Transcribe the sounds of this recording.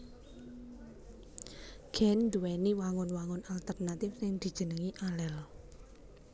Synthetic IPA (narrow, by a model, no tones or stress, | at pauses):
ɡ̥ɛnd̪uwɛniwaŋʊnwaŋʊnalt̪ərnat̪ɪfsɪŋd̪̥i̤d̥ʒ̥ənəŋiʔalɛl